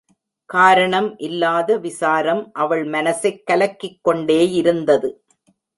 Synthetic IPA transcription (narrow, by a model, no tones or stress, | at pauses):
kaːɾɐɳɐmʔɪlːaːðɐʋɪsaːɾɐmʔɐʋɐɭmɐnɐsɐɪkːɐlɐkːɪkːɔɳɖeːjɪɾɯnd̪ɐðɯ